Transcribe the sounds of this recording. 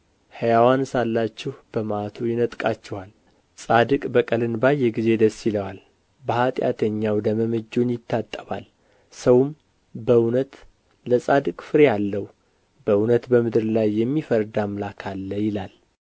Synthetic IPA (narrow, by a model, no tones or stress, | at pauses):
həjawansalːat͡ʃːɪhb̥əmat̪ʰujɪnət̪ʼkʼat͡ʃːɪhal | sʼad̪ɨkʼbəkʼəlɨnbajːɛɡize̞d̪əsːɪləwal | bəhat̪ʼja̰t̪ʰəɲːawd̪əməməd͡ʒːonjɪt̪ʰːat̪ʼːəβa̰l | səwm | bəunət̪ | ləsʼad̪ɨkʼfɨɾejalːəw | bəunət̪bəmɨd̪ɨɾlajːɛmːifəɾd̪amlakʰalːəjɪlal